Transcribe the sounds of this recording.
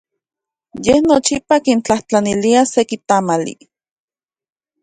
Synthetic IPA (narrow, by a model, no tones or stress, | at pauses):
jehnot͡ʃipakint͡ɬaht͡ɬaniliasekit̪amalḭ